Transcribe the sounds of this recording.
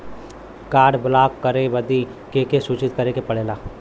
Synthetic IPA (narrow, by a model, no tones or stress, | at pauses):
kaːɽbʊlaːkkːəɾeʋəd̪i | keːkesuːt͡ʃɪt̪̚kɐɾekepɐɽeːlaː